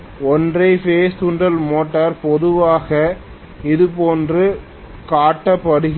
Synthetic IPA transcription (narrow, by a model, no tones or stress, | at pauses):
ɔndrɐɪfeːst̪ʊɳɖɐlmoːʈːɐɾpɔðɯʋaːɣɐ | ɪðɯpoːndrɯ | kaːʈːɐpːɐɽɯɣ